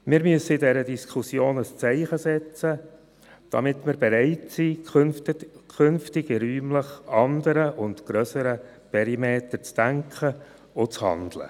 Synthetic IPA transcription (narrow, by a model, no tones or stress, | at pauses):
mɪːɾmyəsəɪdɛɾədiskʰʊsjoːnəst͡sɛɪχəsɛt͡sə | d̥ɑ̰mɪtmɪɾbɛɾɛɪtsinkʰʏnftɪɡɪɾyːmləχɑndəɾəʔʊndɡ̥ɾœsəɾə | pʰɛɾimeːtəɾt͡sd̥æŋkχə | ot͡shɑ̰nd̪lə̰